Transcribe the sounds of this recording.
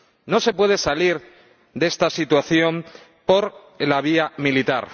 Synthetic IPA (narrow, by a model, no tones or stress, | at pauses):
no̞se̞pwe̞ð̞e̞saliɾ | d̪e̞st̪asit̪waθjo̞m | po̞ɾ | laβ̞iamilit̪a̰ɾ